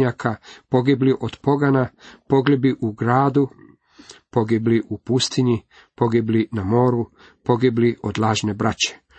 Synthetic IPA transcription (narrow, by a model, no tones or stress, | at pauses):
akapo̞ɡibliʔod̪̥po̞ɡanapo̞ɡlibiʔuɡɾaːd̪u | po̞ɡibliʔupust̪iɲi | po̞ɡiblinamo̞ːɾu | po̞ɡibliʔod̪lˠaːʒne̞bɾat͡ɕe̥